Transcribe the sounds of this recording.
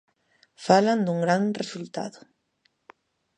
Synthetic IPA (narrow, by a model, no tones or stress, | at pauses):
faland̪uŋɡɾanresult̪a̰ðo